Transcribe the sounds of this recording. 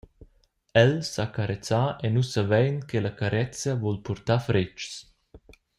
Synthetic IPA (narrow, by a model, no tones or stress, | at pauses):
ɛlsakaɾɛt͡saɛnusavɛjnkʰelakaɾɛt͡səvɔlpɔɾt̪afɾɪt͡ʃs